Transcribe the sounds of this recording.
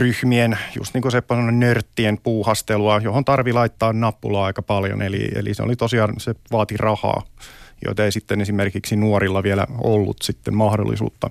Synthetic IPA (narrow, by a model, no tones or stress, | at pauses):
ryhmienjṵst̪niːŋkusepːæsemːonennørt̪ːiempuːhɑst̪eluɑjohont̪ɑrʋilɑit̪ːɑːnnɑpːulɑɑikɑpɑljo̰nelḭḛlḭseo̰lit̪osiɑːnseʋɑːt̪irɑhɑ̰ːjo̰it̪ɑeisit̪ːenesimerkiksinuorilːɑʋielæ̰olːṵt̪sit̪ːemmɑhdo̰lːḭsṵːt̪ːɑ̰